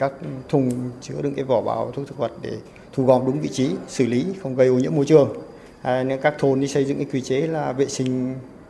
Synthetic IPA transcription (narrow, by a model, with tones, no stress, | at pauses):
kaː˦˥k̚t̪ʰʊ˧ŋ͡mt͡ɕɨ˨˦əɗɨ̰˧˩kaː˨˦vɔ˧˩ɓa̰ː˨˦wt̪ʰu˦˥t̪ʰɨ̥˨˥k̚və˨˩t̚ɗe˧˩ | t̪ʰu˧˩ɣɔ̰˧˨˩ŋ͡mɗʊ˨˦ŋ͡mvḭ˧˨t͡ɕi˨˦sɨ˧˩li˨˦xə˧wŋ͡mɣə˧jʔo˨˧ɲɨ̰˧˥əmo˧jt͡ɕɨ˨˩əŋ˧ | n˧˦kaː˦˥k̚t̪ʰo˧ni˨˦sə˧jzɨ̰˧˨ŋkaː˨˦kwi˧˩t͡ɕe˨˦laː˨˩vḛ˧˨sï˧ŋ̟